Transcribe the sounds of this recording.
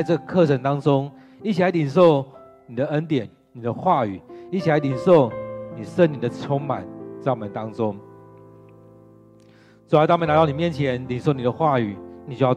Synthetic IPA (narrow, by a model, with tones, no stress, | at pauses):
ɪʈ͡ʂɤ˥˩ɡə˨kʰɤ˥˨ʈ͡ʂʰə˧˥nt̪ɑ˥ŋʈ͡ʂʊ˦ŋ | i˥˩t͡ɕʰi˨la˧˥ɪli˨˩nʂo˥˩ʊ | ni˨˩d̪ə˦ə˦nt̪jɛ˨˩˦n | ni˨˩d̪ə˦xwa˥˩y̰˨˩i˥˩t͡ɕʰi˨˩la˨˧ɪli˨˩nʂo˥˨ʊni˨˩ʂə˥˩ni˨˩d̪ə˦ʈ͡ʂʰo˥ŋma̰˨˩˦nt͡smə˨˦nt̪ɑ˦˥ŋʈ͡ʂʊ˦ŋ | t͡sa˧˥t̪a˥˩mə˨na˧˥ɑ˥˩ʊni˨˩mjɛ˥˨nt͡ɕʰjɛ˨˧˦nli˨˩nʂo˥˩ʊni˨˩d̪ə˦xwa˥˩y˨˩ni˨˩t͡ɕjo˥˧jɑ˥˩